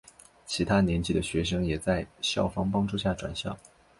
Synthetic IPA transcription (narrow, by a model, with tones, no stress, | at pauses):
t͡ɕʰi˧˥t̪ʰa˥njɛ˧˥nt͡ɕi˥˩d̪ə˧ɕɥɛ˧˥ʂɤ˥ŋjɛ˨˩t͡sa˥˧ɪɕjɑ˥˩ʊfɑ˥ŋpɑ˥ŋʈ͡ʂu˥ɕja˥˩ʈ͡ʂwa̰˨˩nɕjɑ̰˥˩ʊ